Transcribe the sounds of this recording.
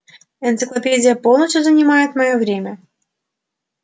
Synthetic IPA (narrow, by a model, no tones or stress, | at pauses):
ɨnt̪sɨklˠɐpʲed͡zʲɪjəpo̞lˠnəs̬ʲt̪ʲjuzənʲɪmajɪt̪mɐjovɾʲemʲə